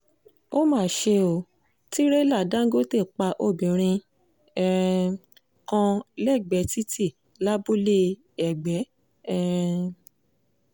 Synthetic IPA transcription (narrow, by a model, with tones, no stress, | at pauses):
o˦mãː˦˨ʃe˧o˨˦ | ti˦ɾe˦la˦˨dã˨˦ɡo˦te˦˨k͡pa˧ʔo˦˨bĩ˨ɾ̃ĩ˧ | ɛ˧ɛ˧ | kã˧lɛ˦˨ɡ͡bɛ˨˦ti˦ti˦˨ | la˦bu˦le˦ | ɛ˨ɡ͡bɛ˨˦ | ɛ˧ɾɛ˧